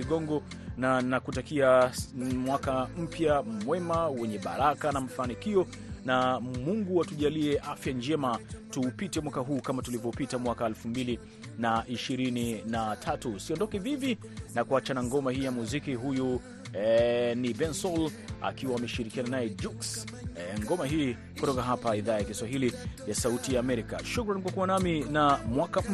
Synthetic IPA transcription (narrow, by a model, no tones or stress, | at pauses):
iɠɔŋɡɔ | nanakutakia | mwakam̩pjamwɛmawɛɲɛɓa̰ɾakanam̩fanikiɔ | namuŋɡuatuʄaliɛʔafjand͡ʒɛmatuːpitɛmwakaɦuːkamatulivɔpitamwakaɛlfumbili | naʔiʃiɾininatʰatusiɔndɔkɛvivi | nakuat͡ʃanaŋɡɔmahiːjamuzikiɦuju | nibɛnsɔl | a̰kiwaːmɛʃiɾikiananajɛd͡ʒuksŋɡɔmaɦiː | kutɔkaɦapaiðaːjakiswaɦilijasautijaːmɛɾika̰ʃukɾankwakuwanaminamwakam̩